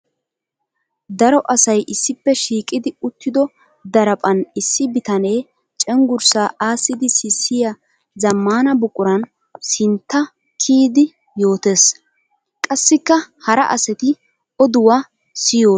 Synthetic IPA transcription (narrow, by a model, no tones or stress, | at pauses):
d̪ɐɾɔʔɐsɐjʔɪsːɪpːɛʃiːkʼɪd̪ɪʊt̪ːɪd̪ɔ | d̪ɐɾɐpʼɐnɪsːɪbɪt̪ɐne̞ː | t͡ʃʼɛŋɡʊɾsaːʔaːsːɪd̪ɪsɪsːɪjɐ | zɐmːaːnɐbʊkʼʊɾɐn | sɪnt̪ːɐ | kʰiːd̪ɪ | jo̞ːt̪eːs | kʼɐsːɪkːɐhɐɾɐ̰ʔɐsɛt̪ɪ | ɔd̪ʊwa | sɪjoː